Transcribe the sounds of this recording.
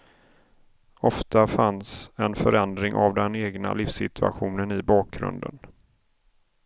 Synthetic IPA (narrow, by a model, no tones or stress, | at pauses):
ɔft̪afansɛnfœɾɛnd̪ɾɪŋʔavd̪ɛneːɡna̰lɪfsɪt̪ʰɵa̰ɧuːnənɪbɑːk̚ɡɾɵ̰nd̪ə̰n